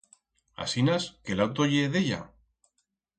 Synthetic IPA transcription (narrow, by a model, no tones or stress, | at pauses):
a̰sinaskelawt̪oʝeðeʎa̰